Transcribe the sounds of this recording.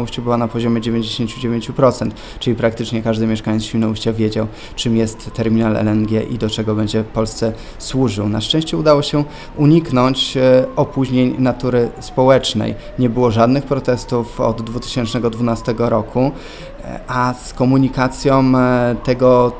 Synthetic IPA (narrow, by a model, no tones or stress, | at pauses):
uɕt͡ɕubɘwanapɔʑɔmʲjɛd͡ʑevʲjeɲd͡ʑeɕeɲt͡ɕud͡ʑevʲjeɲt͡ɕupɾɔt̪sɛnt̪ | t͡ʂɘlʲipɾak̚t̪ɘt͡ʂɲɛkaʐd̪ɘmʲɛʂkaɲɛt̪ɕiwnɔuɕt͡ɕavʲjed͡ʑaw | t͡ʂɘmjɛst̪ːɛɾmʲinalɛ̰lɛnɡʲɛ̰ʔḭd̪ɔt͡ʂɛɡɔbɛɲd͡ʑɛfpɔlst̪sɛ | swuʐɘwnaʂt͡ʂɛ̃w̃ɕt͡ɕɛud̪awɔɕɛ | uɲiknɔɲt͡ɕɔpuʑɲeɲnat̪uɾɘspɔwɛt͡ʂnɛ̰j | ɲɛbɘwɔʐad̪nɘxpɾɔt̪ɛst̪ufɔ̰d̪ːvut̪ɘ̥ɕɛnt͡ʂnɛɡɔd̪vunast̪ɛɡɔɾɔkʰu | ʔaskɔmuɲikat̪sʲjɔ̃t̪ɛɡɔ